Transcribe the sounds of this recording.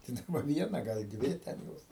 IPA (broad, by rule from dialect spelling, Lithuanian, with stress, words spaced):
tɐɪ ˈdɑːbɐ ˈʋʲiɛnɐ ɡɐlˠ ˈdʲʋʲɪ tʲɛn ˈjoːs